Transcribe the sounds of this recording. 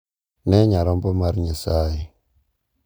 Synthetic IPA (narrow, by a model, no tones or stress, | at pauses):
neɲaɾombomaɾɲasaji